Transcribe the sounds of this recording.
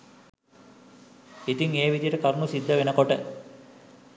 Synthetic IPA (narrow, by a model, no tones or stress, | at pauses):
it̪iŋeːʋid̪ijəʈəkɐɾnusid̪ʱːəʋenəkoʈə